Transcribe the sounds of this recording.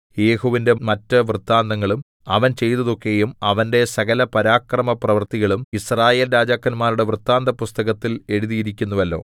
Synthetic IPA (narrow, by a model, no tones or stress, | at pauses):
je̞ːhuʋinde̞mɐtːɨʋrɨt̪ːaːnd̪ɐŋːɐɭum | ɐʋɐnt͡ɕe̞jt̪ɐðo̞kːe̞jumɐʋɐnde̞sɐɣɐlɐpɐɾaːkrɐmɐprɐʋɐrt̪iɣɐɭumisraːje̞ːlɾaːd͡ʑaːkːɐnmaːɾuɽe̞ʋrɨt̪ːaːnd̪ɐpust̪ɐɣɐt̪ːile̞ɽuðijiɾikʲːunːuʋɐlːo̞̰ː